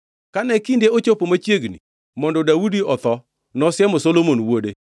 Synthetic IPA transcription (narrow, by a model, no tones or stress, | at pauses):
kanɛkindeot͡ʃopomat͡ʃjeɡnḭ | mɔndɔdawudiɔt̪ɔ | nɔsɪjɛmosolomonwode